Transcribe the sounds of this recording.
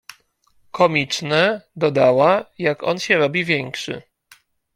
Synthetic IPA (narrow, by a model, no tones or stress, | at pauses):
kʰɔmʲit͡ʂnɛd̪ɔd̪awajakɔ̰nɕɛɾɔbʲivʲjɛŋkʂɘ̰